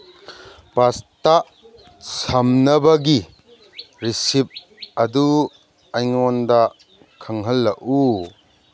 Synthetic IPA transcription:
pasta | sʰɐmnɐbɐɡi | ɾisip̚ | ɐdu | ajŋɔnda | kʰɐŋɦɐlːɐʔu

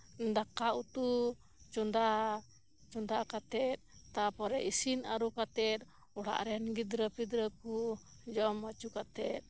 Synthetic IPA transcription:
nd̪akaʔut̪u | t͡ʃɔnd̪a | t͡ʃɔnd̪akat̪ɛt̪̚t̪apɔɾɛʔisinaɾukat̪ɛt̪̚ | uɽa̰ʔɾɛnɡid̪ɾəpid̪ɾəku | d͡ʒɔmːat͡ʃukat̪ɛt̪̚

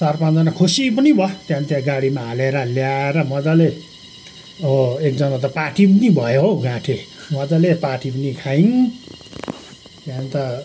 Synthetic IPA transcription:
sʌrpand͡zʌnakʰusipʌnibʱʌt̪jãnt̪jãɡaɽimaɦaleɾʌljaeɾʌmʌd͡zʌle | oek̚d͡zʌnat̪̬ʌpaʈipʌnibʱʌjoɦoɡãʈʰemʌd͡zʌlepaʈipʌnikʰain | t̪jãnt̪ʌ

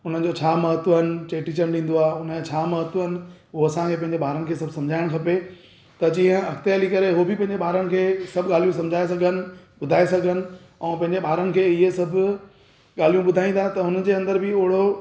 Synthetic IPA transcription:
ʊn̤ə̆d͡ʑot͡ɕʰaːmɐɦət̪ʋənɪ̆t͡ɕeːʈit͡ɕənɗĩːn̆d̪oaːʊnət͡ɕʰaːmɐɦət̪ɦənɪ̆ɦʊɦoɐsãkʰeːpɐ̃ɦɪ̃ɲd͡ʑebʱaːɾənɪ̆kʰeːsɐbʱsɐ̃md͡ʑʱaːɪɽ̃kʰɐpe | t̪ɐd͡ʑĩːɦə̃ɐxt̪ejaːlikɐɾeɦobɪpɐ̃ɦɪ̃ɲd͡ʑeɓʱaːɾənɪ̆kʰeːsɐbʱɡaːl̤ijũsɐ̃md͡ʑʱaːes̬ɐɡʱənɪ̆ | ɓʊd̪ʱaːesɐɡʱənɪ̆ | ɛ̃ːpɐ̃ɦɪ̃ɲd͡ʑeɓʱaːɾənɪ̆kʰeːɪɦesɐbʱʊ | ɠaːl̤ijũɓʊd̪ʱaːĩnd̪ʰaːt̪ɐɦʊnəd͡ʑeːɐ̃nd̪əɾbʱɪʊɦɪɽo

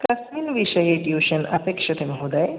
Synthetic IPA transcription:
kɐsminʋiʃɐjeʈjuːʃɐnɐpekʂɐt̪ʰemɦod̪aj

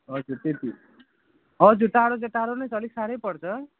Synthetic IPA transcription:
ʌd͡zuɾt̪et̪i | ɦʌd͡zuʈaɦɾod͡zeʈaɾonʌjsʌliksaɾʌjpʌɽt͡sʰʌ

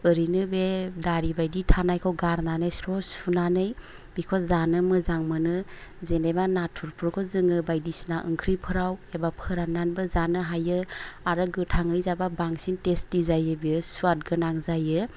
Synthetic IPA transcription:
ɯɾinɯbedaɾibajditʰanajkʰɔwɡaɾnanɯjsɾɔsunanɯj | bikʰɔzanɯmɯzaŋmɯnɯzenemanatʰuɾpʰɾkʰɔzɯŋɯbajdisnaʔɯ̰ŋkʰɾipʰɯɾawebapʰɯɾananbɯzanɯɦajɯaɾɯɡɯtʰaŋɯjzababaŋsintestizajɯbisuat̚ɡɯnaŋzajɯ

